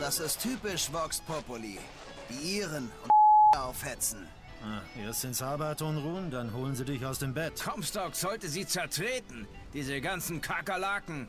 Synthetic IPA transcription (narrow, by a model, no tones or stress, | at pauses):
d̥asɪstʰːyːpɪʃvɔkspʰɔpolḭː | v̥iːʔiːʁənʊntaʊfhɛt͡sn̩ | ʔaʔeɐstz̥ɪnsaːbatʰoːnʁuːəndanɦoːlənziːdɪçaʊsd̥eːmbɛtkʰɔmstɔkz̥ɔltəziːt͡sɛɐtʁ̥eːtn̩ | d̥iːzəɡant͡sn̩kʰakalakŋ̩